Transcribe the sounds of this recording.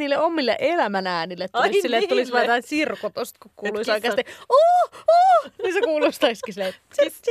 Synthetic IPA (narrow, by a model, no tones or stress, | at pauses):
iːlːeomːilːḛʔelæmænæːnilːet̪tuissilːet̪t̪ːulisʋɑːt̪ɑinsirkot̪ost̪kukkuːluisoˑikeɑst̪eoːoːnisekuːlust̪ɑiskisilːe | se